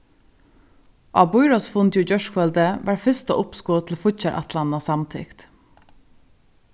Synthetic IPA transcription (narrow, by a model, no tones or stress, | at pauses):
ʔɑ̰ːbʊʏɹɑsfʊnt̪juːd͡ʒœʃkʰʋœld̪əʋæʈfɪst̪o̰ːʔʊpskoːt̪ʰl̩fʊçəɾʔæ̰t̪lɑnɑsɑmt̪ʰɪ̰kt̪